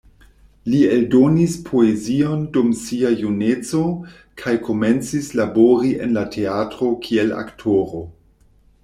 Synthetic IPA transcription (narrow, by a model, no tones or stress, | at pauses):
lieldo̞nispʰoeziondumsiajunet͡so̞ | kʰajkʰo̞me̞nt͡sislaboɾiʔḛnlatʰe̞atɾo̞kʰie̞la̰ktʰoɾo̞